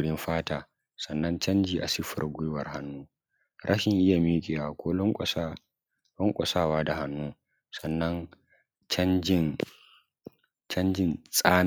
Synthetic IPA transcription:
ɽɪ˦mɸaː˦taː˨ | sɐ˨nːɐ˦nt͡ʃɐ˦nd͡ʒiː˨ʔa˨sɪ˦ɸɐ̰˨rɡʷʊ˦jwɐ˨rha˦nːuː˦ | ɾʔɐ˦ʃɪ˨ŋʔɪ˦ja˨miː˦kʲʼe˨wa˨kʷoː˦lɔ˦ŋkʷʼsa˦ | lɔ˦ŋkʷʼɔ˨saː˦˨waː˦da˨ɦa˦nːuː˦ | sɐ˨nːɐ˦n | t͡ʃɐ˦nd͡ʒɪ˦˨n | t͡ʃɐ˦nd͡ʒɪ˦˨nsʼaː˦n

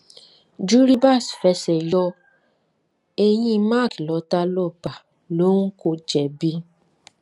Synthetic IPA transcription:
d͡ʒu˦ɾi˦ba˦˨sfɛ˧˦sɛ˨jɔ˧ | e˧j̃ĩ˧mã˦˨ki˨lɔ˨˦ta˧˦lɔ˦˨ba˨ | lo˨˦ŋ̩˦ko˧d͡ʒɛ˨bi˧˦

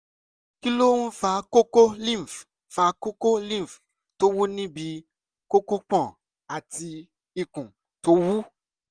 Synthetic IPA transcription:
ki˦lo˦n̩˦fa˨˦ko˦ko˦lĩ˦˨m˨f | fa˨˦ko˦ko˦lĩ˦˨f | to˦wu˦nĩ˦bi˧˦ | ko˦ko˦k͡pɔ̃˦˨ | a˨ti˧ | i˨kũ˨ | to˦wu˦

